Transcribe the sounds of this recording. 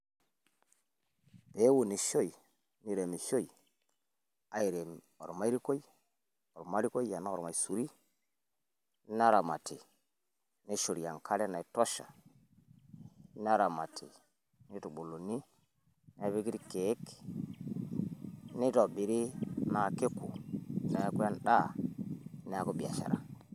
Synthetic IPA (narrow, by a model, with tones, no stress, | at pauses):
pe˨˦wu˨ni˨ʃo˦i˨ | ni˦˨ɾe˨mi˨ʃo˦i˨ | a˨i˨ɾe˨m | o̰˨ɾma˦ɾi˦ko˦i˦ | o˨ɾo˨ma˦ɾi˦ko˦i˦ja˨na˦o˨ɾma˨i˨su˨ɾi˦ | n˦a˦ɾa˨ma˨tʰi˨ | ni˦ʃo˨ɾi˨ja˨ŋkʰa˦le˦na˨i˨to˦ʃa̰˨ | n˦a˦ɾa˨ma˨tʰi˨ | ni˦tu˨ɓo˨lo˨ni˦ | na˦˨˦βe˦ki˦ɾi˦ke˨˦k | ni˦tɔ˨ɓi˨ɾi˦na˨ke˦ku˨na˦kwa˦n˦ɗa˦˨ | ne˦a˨ko˦ɓi˨a̰˨ʃa̰˨ɾa̰˨